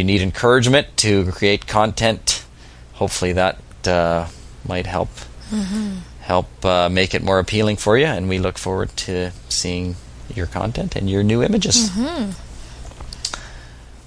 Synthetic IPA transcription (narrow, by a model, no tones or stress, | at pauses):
jɨniɾɨ̃nkʰɜ˞ɨd͡ʒmɨ̃ntʰɨkʰɹ̥ieɪt̚kʰɑ̃ntʰɛ̃nt | hoʊpfl̩ˠiðət̚ | maɪt̚hɛ̰lˠp | hɛ̰lˠpmeɪkɨt̚mɔɹɨpʰilˠɪ̃ŋfə˞jɨɨ̃nwilʊkfɔɹwə̰˞d̚tʰɨsiɪ̃ŋ | jə˞kʰɑ̰̃ntʰɛ̃ntʰɨ̰̃njə˞nʉɪ̃mɨd͡ʒɨz̥